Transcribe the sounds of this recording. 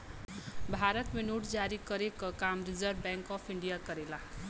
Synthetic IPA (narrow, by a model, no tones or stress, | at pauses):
bʱaɾʌt̪menuʈd͡zaɾikʌɾekokamrid͡zʌrbbjaŋkʌpʰiɳɖijakʌɾela